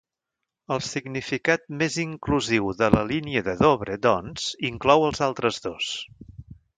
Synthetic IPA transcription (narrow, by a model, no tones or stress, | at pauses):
əlˠsiɡnifikat̪̚meziŋkluziwðələliniəðəðoβɾəd̪ɔnz̥iŋklɔwəlˠzalˠt̪ɾəzðos